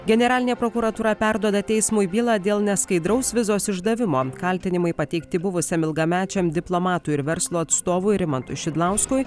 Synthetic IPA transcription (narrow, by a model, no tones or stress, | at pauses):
ɡʲɛnʲɛɾɑːlʲɪnʲeːpɾoːkuːɾɐt̪uːɾɐpʲæɾd̪uɔd̪ɐt̪ʲɛɪsmʊjbʲiːlˠɑd̪ʲeːlˠnʲɛskɐɪd̪ɾɐʊsʋʲɪzoːsɪʒd̪ɐʋʲɪmoːkɐlʲt̪ʲɪnʲɪmɐɪpɐt̪ʲɛɪkt̪ʲɪbʊʋʊsʲɛmɪlˠɡɐmʲæːt͡ʃʲɛmd̪ʲɪplˠomɑːt̪uɪɾʋʲɛɾslˠuːɐt̪st̪oːʋuːɾʲɪmɐnt̪ʊʃʲɪd̪lˠɑʊskuj